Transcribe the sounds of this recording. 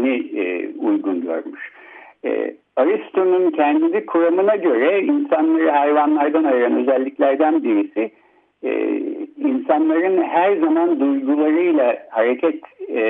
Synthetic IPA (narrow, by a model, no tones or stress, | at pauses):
niujɡunɟø̰ɾmuʃ | ɛ̰ | aɾist̪ʰununcʰɛnd̪id̪ikʰuɾamɯnaɟø̞ɾɛinsanlˠaɾɯɦajvanlˠaɾd̪anajɯɾanø̞zɛlʲːiclʲæɾd̪ænbiɾisḭ | insanlˠaɾɯnhæɾzamand̪ujɡulˠaɾɯjlˠahaɾecʰɛt̪